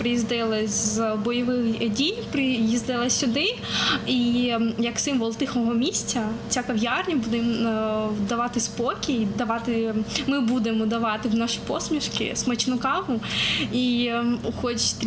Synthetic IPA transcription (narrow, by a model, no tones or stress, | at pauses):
pɾɪjizd̪ɪlˠɐzbɔjɔʋɪxdʲijpɾɪjizd̪ɪlˠɐsʲʊd̪ɪijɐksɪmʋɔlˠt̪ɪxɔɦɔmʲisʲtʲɐt͡sʲakɐʋjarnʲɐbud̪ɪm | d̪ɐʋɑt̪ɪspɔkʲiid̪ɐʋɑt̪ɪmɪbud̪emɔd̪ɐʋɑt̪ɪwnaʃi̥pɔsmʲiʃkɪ̰smɐt͡ʃnʊkɑɦʊixɔt͡ʃt̪